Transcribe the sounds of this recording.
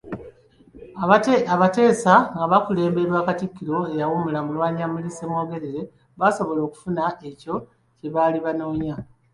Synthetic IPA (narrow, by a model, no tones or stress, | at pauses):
aβate̞ːsaŋɡaβakule̞ːmbe̞ɾwaːkatikːiɾo̞e̞jawomulamulwaːɲamulisemwo̞ːɡe̞ɾe̞ɾe̞ | βaso̞βo̞lo̞ːku̥funaʔe̞co̞ | ce̞βaːliβano̞ːɲa